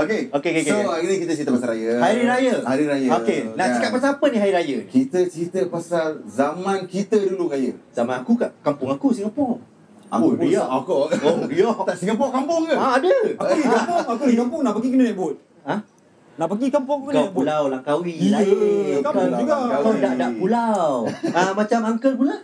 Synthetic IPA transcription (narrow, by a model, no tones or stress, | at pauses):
okeokekekoaiɾikit̪ət͡ʃit̪əpasaɾajəhaɾiɾajəhaɾiɾajəokenaʔəkat̪̚pasaapəniɦajiɾajəkit̪ət͡ʃɾit̪əpasalzamãnkit̪əduluŋajə̰zamãnakukaʔkampʊŋakusiŋapɔŋ | a̰kujaakɔojɔt̪aʔsiŋapɔʔkampʊŋkaaadəaukapʊŋakusiŋkampʊŋnaʔpaɡikənəmeʔbʊt̪̚ | a | naʔpaɡikampʊŋknpulawlaŋkawilajkamŋuɡaaadaʔdapulawamat͡ʃamaŋkəp̬ula